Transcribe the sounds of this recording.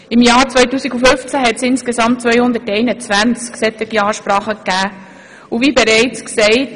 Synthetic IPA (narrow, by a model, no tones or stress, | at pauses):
ɪmjɑːɾt͡sʋœʏtuːsiɡufʏft͡sæɦɛtsɪnskesɑmttt͡svœjhʊnd̪ətɛɪnət͡sʋænt͡sksɛt̪ɪɡjɑːʃpɾɑːχəkːæː | uviːbɛɾɛɪt͡sksɛɪt